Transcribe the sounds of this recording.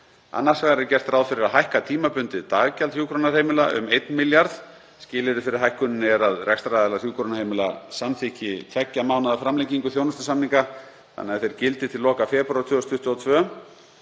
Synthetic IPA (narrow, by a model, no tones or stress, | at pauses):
a̰nːaɾ̥svaɣɾɪɾcɛr̥t̪raːwðfɪɾɪɾaɦajhkat̪ʰiːmapʏnt̪ɪt̪aːɣcalt̪ʰjuːkʰɾonar̥ejmɪlaʔʏ̰mejt̪nmɪljaɾð | scɪːlɪɾɪfɪɾɪɾ̥ɦajhkʏnɪnɛɾaðrɛkst̪ɾaðɛlarjuːkʰɾonahejmɪla̰samθicɪt̪ʰɛcːamaːwnaðafɾamlejcːiŋkʏθjoːwnʏst̪ʏ̥samniŋka | θa̰nːɛːaθejɾ̥cɪlt̪ɪt̪ʰɪllɔːkafɛːpɾat̪ʰʏːɔst̪ʰʏht̪uɔt̪ʰvœː